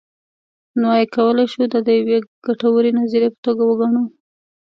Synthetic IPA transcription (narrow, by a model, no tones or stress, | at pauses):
nowajkawəlajʃud̪ad̪əjaweɡ̥aʈawəɾenaziɾepə̥t̪oɡawəɡaɳ̃u